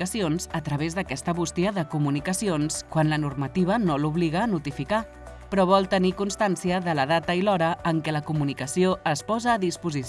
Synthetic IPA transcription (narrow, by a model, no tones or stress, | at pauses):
əsionzət̪ɾəβ̞ezðəkɛst̪əβust̪iəðəkumunikəsionskwanlənurmət̪iβ̞ənoluβliɣəːnut̪ifika | pɾɔβ̞ɔlˠt̪ənikunst̪ansiəðələðat̪əilɔɾəːŋkɛləkumunikəsioəspɔzəːðispuzi